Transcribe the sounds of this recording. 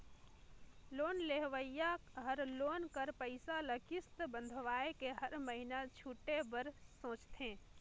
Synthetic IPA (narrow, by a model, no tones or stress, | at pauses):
loːnleɦʋəjaɦəɾloːnkəɾpəɪsaləkɪst̪bə̃nd̪ʱʋaːekeɦəɾməɦinat͡ʃʰuːʈebəɾsõːt͡ʃt̪ẽː